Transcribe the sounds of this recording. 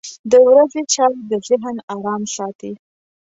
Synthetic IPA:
d̪əwɾazet͡ʃɑwd̪əzɪɦnɑɾɑmsɑt̪i

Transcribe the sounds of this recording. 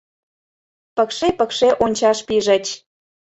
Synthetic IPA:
pəkʃepəkʃeʔonʲt͡ɕɑʃpiʒə̆t͡ɕ

